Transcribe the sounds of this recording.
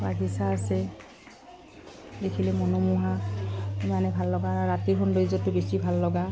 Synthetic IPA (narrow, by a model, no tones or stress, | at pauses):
ɹaɡʱisaːsɛ | dekʰilɛmɔnɔmuɦa | imanɛbʱalːɔɡaːɹaɹatiɹɦʰɔndoizɔtːʊbesibʱalːɔɡa